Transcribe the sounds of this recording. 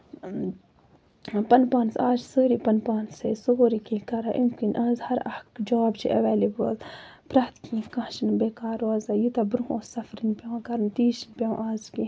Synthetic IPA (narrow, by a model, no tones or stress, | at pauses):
pɐnpaːnsaːd͡ʒsəːɾipɐnpaːnsḛsoːɾikĩkɐɾaʔimkinʔaːzhɐɾɐ̰hkd͡ʒɐaːbt͡ʃʰḭʔɐ̰ʋeːlibɐ̰z | pɾɐht̪kʰĩːkɐ̃ːʃinbeːkaːɾoazɐjut̪ɐbɾuɦosɐfɾinpʲawkɐɾnt̪iːʃinpʲaw̰̃ʔaːzkĩ